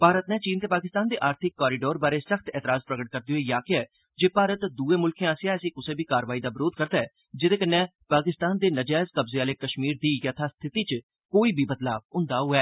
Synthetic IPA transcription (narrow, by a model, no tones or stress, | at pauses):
paːɾət̪nɛ̃ːt͡ʃiːnt̪eːpaːkɪst̪aːnd̪eːʔaːɾt̪ʰɪkːɔːɾɪɖoːɾbaːɾeːsəxt̪ɛːt̪əɾaːzpɾəɡəʈ̚kəɾd̪eːoeːjaːkɪɛː | d͡ʒeːpaːɾət̪d̪uːeːmʊlkʰẽaːsjãəsĩːkʊsẽːbʱiːkaːɾʋaːiːd̪aːbɪɾoːd̪̚kəɾd̪aːɛː | d͡ʒɪd̪eːkənːɛ̃ː | paːkɪst̪aːnd̪eːnəd͡ʒɛːɪzkəbzeaːleːkəʃmiːɾd̪iːjət̪ʰaːst̪ʰɪt̪iːt͡ʃ | koːiːbʱiːbət̪la̰ːb̚ɦʊ̃nd̪aːɦʊːɛː